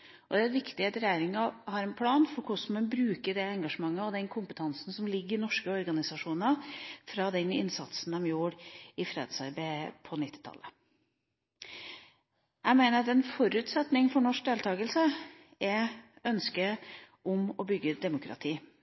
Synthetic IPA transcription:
ʔɔd̪ɛːɛʋɪkt̪ɪɛt̪ɾjæːɾɪŋɑhɑɾɛnpʰlɑːnfɔɾkʰʊsmɛnbɾʉːkəɖɛɛŋɡɑʂəmɑŋːəɔd̪ɛnkʰʊmpət̪ʰɑnsn̩sɔmlɪɡːəɾɪnɔʂkəɔɾɡɑnɪsɑʂuːnnəfɾɑd̪ɛnɪ̰nsɑt̪sn̩d̪ɛmjuːɾɪfɾeːd̪sɑ̰ɾbæɪpʰɔnɪt̪ːɪ̥t̪ʰɑ̰lːə | ʔæmæɪnəɾɑt̪ɛnfɔɾʉːt̪sɛt̪nɪŋfɔɳɔʂk̚d̪eːlt̪ʰɑːɡəlsə | ɛœnskə | ʔʊmɔbʏɡːəd̪ɛmʊkʰɾɑ̰t̪ʰiː

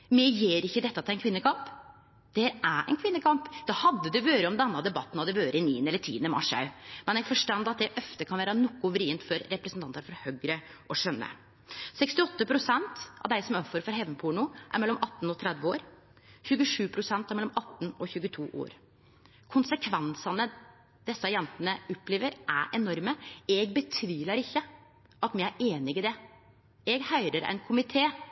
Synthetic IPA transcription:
mɛjeːɾɪçːəd̪ɛt̪ːɑt̪ɪæɪnkʰʋɪnːəkʰɑmp | d̪̥ɛhæːɾæɛ̰ɪnkʰʋɪnːəkʰɑmpd̪̥ɑːhɑd̪ːəd̪ʉʋøːɾəɔmd̪ɛnːɑd̪ɛbɑt̪ːn̩hɑd̪ɛʋøːɾəɪniːənəɛlːəɾtʰḭːənəmɑ̰ʂɑ̰ʉmɛnjɛɡfɔʂʈɑnd̪ɑt̪̚d̪ɛʔœft̪əkʰɑnʋæːɾənɔkːʊʋɾiːənt̪fɔɾɾɛpɾəsn̩t̪ʰɑnt̪əɾfɔɾhœɡɾəʔɔʂœnːə̰ | sɛkst̪ɪɔt̪ːəpʰɾʊsɛnt̪ɑ̰ʋd̪æɪsɔmœfɔɾfɔɾɦɛʋənpʰuːɳʊʔæ̰ɾmɛlːɔmʔɑt̪ːn̩ɔt̪ʰɾɛd̪ʋəoːɾ | çʉɡəʂʉːpʰɾʊsɛnt̪æɾmɛlːɔmɑt̪ːnɔçʉːɡət̪ʰuːʔo̰ːɾ | kʰʊnsəkʰʋɛnsɑnə | d̪̥ɛsːɑjɛnt̪ənəʊpːleːʋəɾæ̰ʔɛnɔɾməɛɡbət̪ʰʋiːlɑɾɪçːə | ʔɑt̪mɪæɾeːnɪɡɪd̪ɛ | ɛɡhœʏɾəɾæ̰ɪnkʰʊmɪt̪ʰeː

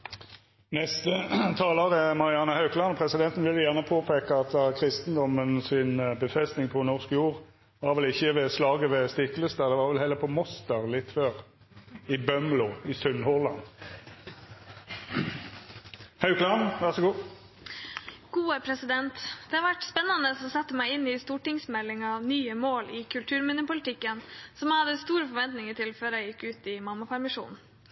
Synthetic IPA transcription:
nɛst̪ət̪ʰɑːloːʁəmɑʁɪɑnːəhɑʉkʰlɑnɔpʰʁɛsɪd̪ɛnt̪ənʋɪljæʁnəpʰoːpʰeːkəɑt̪kʰʁɪst̪nd̪ɔmənsɪnbəfʁɛst̪nɪŋpʰɔnɔʁskjuːʁ | ʋɑːʁʋɛlɪçːəʋɛslɑːɡəʋɛst̪ɪkːlʏst̪əʁd̪ɛʋɑːʁʋɛlhɛlːəpʰɔmɔst̪əʁlɪt̪ːføːʁ | ɪbœmlʊɪsœnhɔʁlɑn | hɑʉkʰlɑnʋæʁsɔɡuː | ɡ̥uːəpʰɾɛsɪd̪ɛnt̪d̪̥ɛhɑɾʋæʈspɛnːɑnəɔsɛt̪ːəmæɪɪnːɪst̪uːʈɪŋsmɛlːɪŋɑʋnyːəmoːlɪkʰʉlt̪ʰʉːɾmʉnʉpʊlɪt̪ʰɪkːənsɔmæɑd̪əst̪uːɾəfɔɾʋɛnt̪nɪŋəʈɪlføːɾæɪjɪkːʉːt̪ɪmɑmːɑpʰæɾmɪʂṵːnn̩

